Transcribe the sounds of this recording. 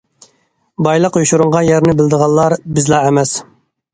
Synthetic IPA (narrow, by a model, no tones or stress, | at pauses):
bɑjlˠəqjuʃuɾuɴʁɑnjɛɾnɪbɪld̪əʁɑlˠːɑɾbɪzlˠɑːɛmɛs